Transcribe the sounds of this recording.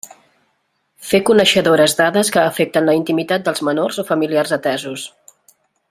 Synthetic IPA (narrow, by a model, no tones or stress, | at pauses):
fekunəʃəðoɾəzd̪aðəskəːfek̚t̪ənləint̪imit̪at̪̚d̪əlˠzmənorzofəmiliarzət̪ɛzus